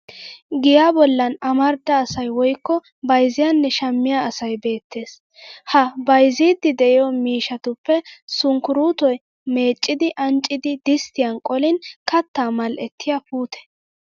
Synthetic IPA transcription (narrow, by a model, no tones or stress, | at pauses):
ɡɪjaːbɔlːɐnɐmɐɾd̪ɐːsɐjwɔjkːɔ | bɐjzɪjanːɛʃɐmːɪjaɐsɐjbe̞ːt̪ːe̞ːs | hɐbɐjziːd̪ːɪd̪ɛʔɪjɔmiːʃɐt̪ʊpːɛsʊŋkʊɾuːt̪ɔj | me̞ːt͡ʃʼːɪd̪ɪʔɐnt͡ʃʼːɪd̪ɪd̪ɪst̪ɪjɐnkʼɔlɪnkɐt̪ːaːmɐlʔɛt̪ʰːɪjapuːt̪ɛ̥